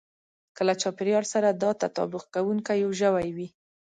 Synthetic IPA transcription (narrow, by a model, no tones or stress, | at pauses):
kəlat͡ʃɑpɪɾjɑɾsaɾad̪ɑt̪at̪ɑ̰bʊqkawuŋkajwʒəwajwi